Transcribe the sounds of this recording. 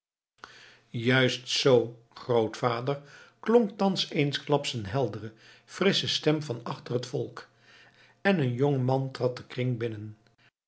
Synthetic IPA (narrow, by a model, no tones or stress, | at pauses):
jœɥstsow | χrowtfaːdəɹklɔŋk̚tɑnsejnsklɑpsənɦɛlˠdərə | frɪsəstɛmvɑnɑχtərɦətfɔlˠk | ɛnənjoŋəmɑntrɑt̚dəkrɪŋbɪnən